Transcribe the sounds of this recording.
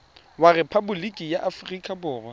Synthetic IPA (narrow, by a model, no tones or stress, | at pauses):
warɛpʰabʊlikʼijaʔafrikʼabʊːrwa